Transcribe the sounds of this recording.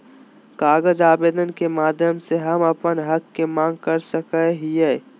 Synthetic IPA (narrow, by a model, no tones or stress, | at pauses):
kaːɡəd͡ʒaːbeːd̪ənkemaːd̪ʱjəmseɦɐməpənɦəkːemãːŋɡkəɾsəkəɦijeː